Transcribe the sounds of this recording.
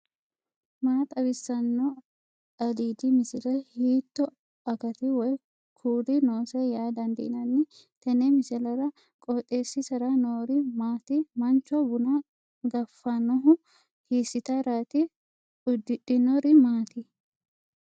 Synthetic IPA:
maːt̪ɐbɪsːɐnːɔ | ɐd̪iːd̪ɪmɪsɪlɛhiːt̪ːɔ | ɐkɐt̪ɪwɔj | kʰuːɾɪnoːsɛjaːd̪ɐnd̪ɪ̰nɐnːɪ | t̪ɛnɛmɪsɪlɐɾɐ | kʼɔt̪ʼːeːsːɪsɐɾɐnoːɾɪmaːt̪ɪmɐnt͡ʃːɔbʊnɐ | ɡɐfːɐnɔɦʊ | hiːsːɪt̪ɐɾaːt̪ɪ | ʊd̪ːɪᶑɪnɔɾɪmaːt̪ɪ

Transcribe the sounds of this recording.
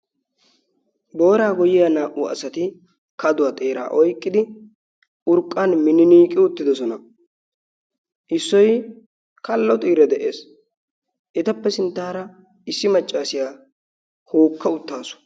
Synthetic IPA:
bo̞ːɾaːɡɔjɪjaːnaːʔʊɐ̰sɐt̪ɪ | kɐd̪ʊwaːt̪ʼe̞ːɾa̰ːʔɔjkʼːɪd̪ɪ | ʔʊɾkʼːanmɪnɪniːkʼːɪʊt̪ːɪd̪ɔsɔnɐ | ʔɪsːɔj | kʰɐlːɐt̪ʼiːɾɛd̪ɛʔe̞ːs | ʔɛt̪ɐpːɛsɪnt̪ːaːɾɐ | ɪsːɪmɐt͡ʃʼːaːsɪjaː | hoːkʰːɐʊt̪ːaːsʊ̥

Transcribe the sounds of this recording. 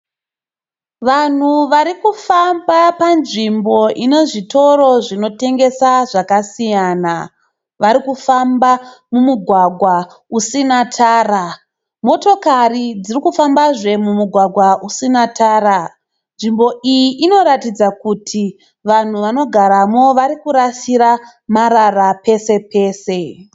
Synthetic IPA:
ʋan̤uʋaɾikufambapanʐimbo̞ʔine̞ʐito̞ɾo̞ʐino̞te̞ŋɡe̞saʐakasijana | ʋaɾikufambamumuɡʱwaɡʱwa | usinatʰaːra | mo̞to̞karid͡zirikufambaʐe̞mumuɡʱwaɡʱwaʔusinataːɾa | nʐimbo̞ʔijiʔino̞ɾatid͡zakutʰi | ʋan̤uʋano̞ɡʱaɾamo̞ʋaɾikuɾasiɾa | maɾarape̞se̞pe̞ːse̞

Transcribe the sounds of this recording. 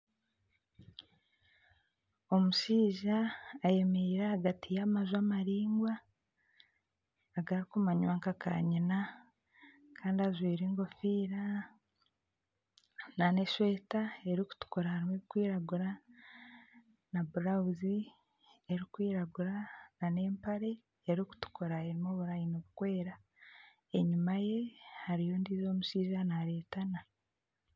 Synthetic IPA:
o̞muʃiːʒaːje̞meiɾahaɡatʰijamazwamaɾiːŋɡwa | ɡaɾikumaɲwaːŋkakʰa̰ɲina | kʰaːndiazwiːɾeŋɡo̞fiːɾa | nane̞ʃweːtae̞ɾiku̥tu̥koɾahaɾimeβikwiːɾaɡuɾa | nabuɾauzi | eɾikwiːɾaɡuɾanane̞ːmpaɾe̞ː | ɾiku̥tu̥koɾaeɾimoβuɾaːjinoβukwe̞ːɾa | eɲumaje̞haɾijo̞ːndiːzo̞ːmuʃiːʒanaɾe̞ːtana

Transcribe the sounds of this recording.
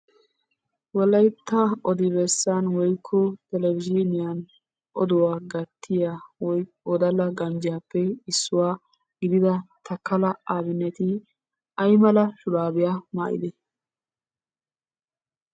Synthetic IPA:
wɔlɐjt̪ːaɔd̪ɪbɛsːanwɔjkʰːɔt̪ɛlɛvɪd͡ʒinɪjan | ʔɔd̪ʊwaːɡɐt̪ʰːɪjaːwɔj | ɔd̪ɐlɐɡɐnd͡ʒɪjaːpːɛɪsːʊwaː | ɡɪd̪ɪd̪ɐt̪ʰɐkːɐlɐaːbɪnːɛt̪ɪ | ʔɐjmɐlɐʃʊɾaːbɪjaːma̰ːʔɪ̰d̪ɛ

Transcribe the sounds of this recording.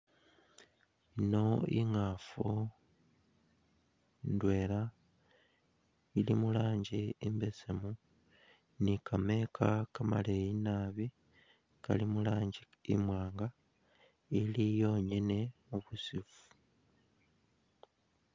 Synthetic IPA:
ino̞ḭŋafo | ndwe̞ːla | ilimulaːɲɟiimbe̞semu | nikʰame̞kʰakama̰leinaːβi | ka̰limulaːɲɟi | ḭmwaːŋɡa | ilijo̞ːɲene̞muβusifu̥

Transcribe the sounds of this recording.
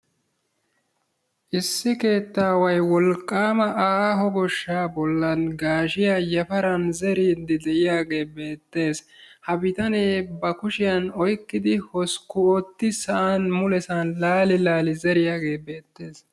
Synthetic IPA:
ʔɪsːɪke̞ːt̪ːaːwɐjwɔlkʼːaːmɐʔaːɦɔɡɔʃːaːbɔlːɐnɡaːʃɪjajɐfɐɾɐnzɛɾiːd̪ɪd̪ɛʔɪjaːɡe̞ːbe̞ːt̪ːe̞ːs | hɐbɪt̪ɐneːbɐkʊʃɪjɐnɔjkːɪd̪ɪhɔskʊɔt̪ːɪsɐʔanmʊlɛsanlaːlɪlaːlɪzɛɾɪjaːɡe̞ːbe̞ːt̪ːe̞ːs

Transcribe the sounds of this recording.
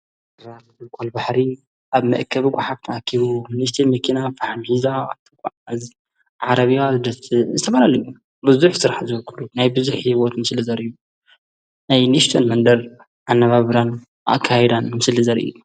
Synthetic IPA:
ɾazɨzɨlkʷʰolbaħɾi | ʔaβmɐ̰ʔkʰːɐβɡʷʼaħab̚t̪ʰɐakʰːiβuniʃt̪ʰɐmɐkʰinafaħamħizaa̰βt̪ʰikʼaʕz | ʕaɾɐβiazɨd̪ɐt̪zɨt̪ʰɐfɐlalɐju | bɨzuħsɨɾaħazlkʰulunajbɨzuħiβot̪mɨsɨlɨzɐɾiju | najnist̪ʰonmɐnd̪ɐɾ | ʔanːɐβaβɾan | ʔa̰ʔkʰːajɛd̪anmɨsɨlizɐɾḭju

